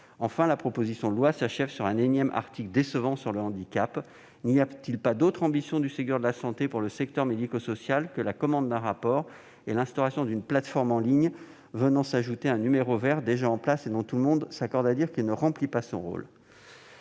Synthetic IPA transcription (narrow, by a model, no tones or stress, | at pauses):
ɑ̃fɛ̃lapχɔpozisjɔ̃lwasaʃɛvsyʁɛ̃nenjɛmʔa̰ʁt̪ikld̪esəvɑ̃syʁləɑ̃d̪ikʲap | nijat̪ilpad̪ot̪χɑ̃bisjɔ̃d̪ysɛk̚t̪œʁd̪əlasɑ̃t̪epuʁləsɛk̚t̪œʁmed̪ikosɔsjalkəlakɔmɑ̃d̪ːɛ̃ʁapɔʁ | elɛ̃st̪ɔʁasjɔ̃d̪ynplat̪fɔʁmɑ̃liɲ | vənɑ̃saʒut̪eɛ̃nymeʁovɛʁd̪eʒaɑ̃plased̪ɔ̃t̪ulmɔ̃d̪sakɔʁd̪ad̪iʁkʲilnəʁɑ̃plipasɔ̰̃ʁo̰l